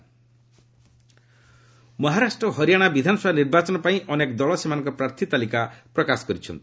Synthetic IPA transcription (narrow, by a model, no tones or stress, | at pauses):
mɔɦaɾasʈɾɔɦɔɾijaɽ̃abid̪ʱanɔsɔbʱaniɾbat͡ʃɔnɔpaĩʔɔnekd̪ɔɭɔsemanɔŋkɔpɾaɾt̪ʰit̪alikapɾɔkasɔ̥kɔɾit͡ʃʰɔ̰nt̪i̥